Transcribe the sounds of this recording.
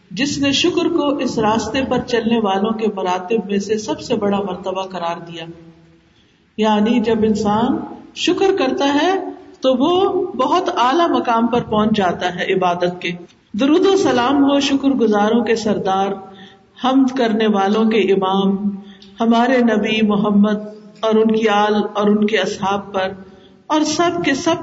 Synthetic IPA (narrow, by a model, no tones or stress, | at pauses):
d͡ʒɪsneʃʊkɾkoʔɪsɾaːst̪epɐɾt͡ʃɐlneʋaːlõkemɐɾaːt̪ɪb̚mẽsesɐbsebɐɽamɐɾt̪əbaqɐɾaːɾd̪ijaː | jaːnid͡ʒɐbɪnsaːnʃʊkɾkɐɾt̪aɦɛt̪oʋobɐɦʊt̪aːlamɐkaːmpɐɾpɔ̃ːt͡ʃd͡ʒaːt̪aɦɛʔɪbaːd̪ət̪̚keː | d̪ʊɾuːd̪osɐlaːmkoʃʊkɾɡʊzaːɾõkesɐɾd̪aːɾ | hɐmd̪kɐɾneʋaːlõkeʔɪmaːm | hɐmaːɾenɐbimʊɦəmːəd̪̚ɔːɾʊnkiaːlɔːɾʊnkeɐsɦaːb̚pɐɾ | ɔːɾsɐb̚kesɐb̚